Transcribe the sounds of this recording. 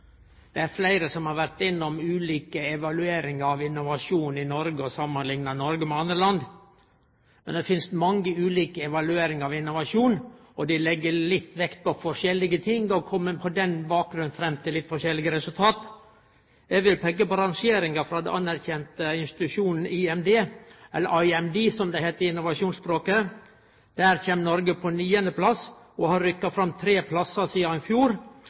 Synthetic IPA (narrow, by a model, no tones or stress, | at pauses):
d̪̥ɛæɾflæɪɾəsɔmhɑɾʋæɾt̪ɪnːɔmʉːliːkəɛʋɑlʉeːɾɪŋəɑʋɪnʊʋɑʂuːnɪnɔɾɡəɔsɑmːənlɪŋnɑnɔɾɡəmɛɑnd̪ɾəlɑnd̪ | mɛ̰nd̪ɛfɪnst̪mɑŋɡəʉːliːkəɛʋɑlʉeːɾɪŋəɾɑʋɪnːʊʋɑʂuːn | ɔd̪ɪlɛɡːəlɪt̪ːʋɛkt̪̚pɔfɔʂɛlːɪɡət̪ʰɪŋɡɔkʰɔmːəpʰɔd̪ɛnbɑːk̚ɡɾʉnfɾɛmt̪ʰɪlɪt̪ːfɔʂɛlːɪɡəɾɛsʉlt̪ʰɑːt̪ | ɛɡʋɪlpʰɛɡːəpɔɾɑŋʃeːɾɪŋɑfɾɑd̪ɛ̰ʔɑnːæɾçɛnt̪əɪnst̪ɪ̥t̪ʉʂuːnn̩iɛmd̪eːɛlːəʔɑɪɛmd̪iːsɔmd̪ɛheːt̪əɾɪnːʊʋɑʂuːnsbɾoːkə | d̪̥æːɾçeːmnɔɾɡəpʰɔnyːənd̪əpʰlɑs | ɔhɑɾɾʏkːɑfɾɑmːt̪ʰɾeːpʰlɑsəsiːɑɪfjuːɾ